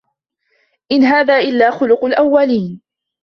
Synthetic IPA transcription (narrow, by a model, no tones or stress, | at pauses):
ʔɪnɦaːðaːʔɪlːaːxʊlʊqʊlʔawːaliːn